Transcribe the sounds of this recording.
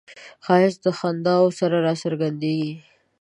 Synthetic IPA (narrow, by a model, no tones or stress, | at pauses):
xɑɪsd̪əxand̪ɑwosaɾaɾɑsəɾɡand̪eɡi